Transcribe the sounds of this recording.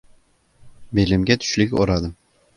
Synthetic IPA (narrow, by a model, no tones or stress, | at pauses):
belɪmɡʲæt̪ʰʊ̥ʃlɪkʲoɾɑd̪əm